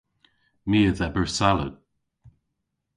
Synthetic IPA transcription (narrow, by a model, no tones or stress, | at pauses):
miːəðɛbəɹsalə̰d